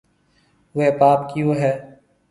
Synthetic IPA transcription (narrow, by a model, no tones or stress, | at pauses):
epaːpkioːɦɛː